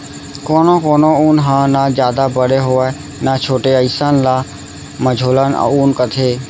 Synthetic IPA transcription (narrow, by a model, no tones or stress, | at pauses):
koːnokoːnouːnɦãnad͡ʒjaːd̪abəɽeɦoː | nat͡ʃʰoːʈeəɪsanla | məd͡ʒʱoːləna̰unkət̪ʰeː